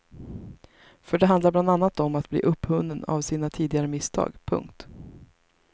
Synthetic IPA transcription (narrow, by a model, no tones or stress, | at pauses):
fœɖɛɦand̪laɾb̪and̪anːat̪ɔmat̪̚blḭːʔɵpːhɵnd̪əna̰vsiːnat̪ʰiːd̪ɪɡaɾəmɪst̪ʰɑ̰ːɡpʰɵ̰ŋkt̪